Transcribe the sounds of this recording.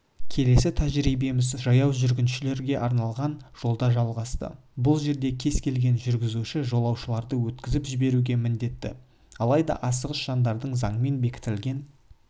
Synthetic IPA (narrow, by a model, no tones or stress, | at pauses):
kʲʰe̞le̞sɪt̪ʰæʒɾijbe̞mɪzʒɑjɑwʒʏɾɡʲɪnʃɪle̞ɾɡʲe̞ʔɑɾnɑlˠʁɑnʒ̥o̞lˠd̪ɑʒɑlˠʁɑst̪ə̰ | bʊlˠʒe̞ɾd̪e̞kʲʰe̞zkʲʰe̞lɡʲe̞nʒʏɾɡʲɪzuʃɪʒo̞lˠɑwʃəlˠɑɾd̪əwɵt̪kʲɪzɪpʒɪbe̞ɾuɡʲe̞mɪnd̪e̞t̪ːɪ̰ | ɑlˠɑjd̪ɑ̰ʔɑsəʁəsʒ̥ɑnd̪ɑɾd̪əɴzɑɴəme̞nbe̞kʲɪ̥t̪ɪlɡʲe̞n